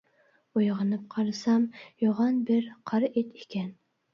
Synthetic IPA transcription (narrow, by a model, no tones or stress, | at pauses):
ojʁɨnɨp̚qʰɑɾɨsɑmjoʁɑnbɪɾqʰɑɾet̪ʰekʲʰɛn